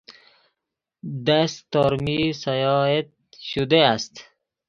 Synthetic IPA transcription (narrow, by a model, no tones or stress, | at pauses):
d̪ast̪ɔɾmisajɔet̪̚ | ʃud̪east̪